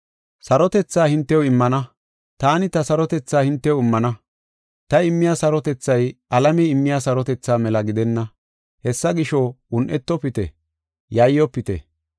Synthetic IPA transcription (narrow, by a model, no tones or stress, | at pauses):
sɐɾɔt̪ɛt͡sːaːhɪnt̪ːɛwɪmːɐnɐ | t̪aːnɪt̪ɐsɐɾɔt̪ɛt͡sːaːhɪnt̪ːɛwɪmːɐnɐ | t̪ɐɪmːɪjaːsɐɾɔt̪ɛt͡sːɐjʔɐlɐmɛɪmːɪjaːsɐɾɔt̪ɛt͡sːaːmɛlɐɡɪd̪ɛnːɐ | hɛsːɐɡɪʃɔʊnʔɛt̪ːɔpɪt̪ɛ̰ | jɐjːɔpːɪt̪ɛ̰